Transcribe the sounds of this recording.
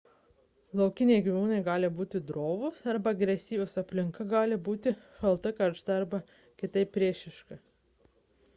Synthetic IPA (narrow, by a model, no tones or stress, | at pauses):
lˠɒʊkʲɪnʲeɪɡʲiʋʲuːnɐɪɡɑːlʲɪbuːt̪ʲɪd̪ɾoːʋʊsɐɾbɐɐɡɾʲɛsʲiːʋʲʊsɐpʲlʲɪŋkɐɡɑːlʲɪbuːt̪ʲɪʃɐlˠt̪ɐkɐɾʃt̪ɐɐɾbɐ | kʲɪt̪ɐɪpʲpʲːɾʲiɛʃʲɪʃkɐ